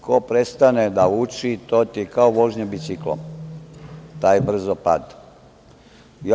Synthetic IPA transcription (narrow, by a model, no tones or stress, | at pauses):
kopɾest̪aned̪aut͡ʃit̪oːt̪ikaoʋoʒɲobit̪siklo̰ | t̪aːjbr̩zopa̰d̪ | j